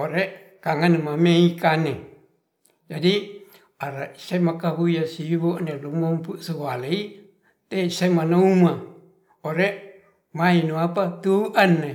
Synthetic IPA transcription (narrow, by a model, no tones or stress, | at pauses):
oɾeʔ | kaŋanmameikane | d͡ʒadi | aɾaisemakaɦujasiboʔnelumɔmpuʔsualei | t̪esemanauma | oɾeʔ | mainuapat̪uʔanːe